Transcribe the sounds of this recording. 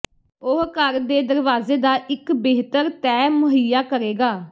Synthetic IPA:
ʊɦkəɾd̪eːd̪əɾʋaːzeːd̪aːʔɪkbeːɦt̪əɾt̪ɛːmʊɦəjaːkəɾeːɡaː

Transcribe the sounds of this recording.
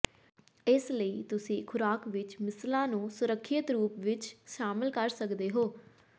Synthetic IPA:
ɪsləiːt̪ʊsĩːkʰʊɾaːkʋɪt͡ʃmɪslãːnũːsʊɾəkʰːɪt̪ɾuːpʋɪt͡ʃʃaːməlkəɾsəkd̪eːɦoː

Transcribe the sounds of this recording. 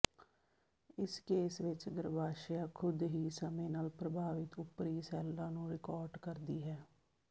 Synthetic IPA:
ɪskeːsʋɪt͡ʃɡəɾbaːʃjaːkʰʊd̪ɦiːsəmẽːnaːlpɾəbʱaːʋɪt̪ʊpɾiːsɛːlːãːnũːɾɪkɔːɾɖkəɾd̪iːɦɛː

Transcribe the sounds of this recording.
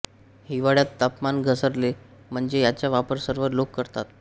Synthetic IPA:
hiʋaɽjat̪ːapmanɡʱəsəɾle | m̤əɳd͡zejat͡ɕjaʋapəɾsəɾʋəɾlokːəɾt̪at̪

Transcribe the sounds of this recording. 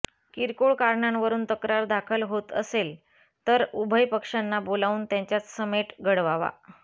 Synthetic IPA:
kiɾkoɭkaɾɳanʋəɾuːnt̪əkɾaɾd̪ʱakʰəlɦot̪əsel | t̪əɾubʱəjpəkʂanːabolaʋuːnt̪jãɲt͡ɕjat͡ssəmeʈɡʱəɽʋaʋa̰

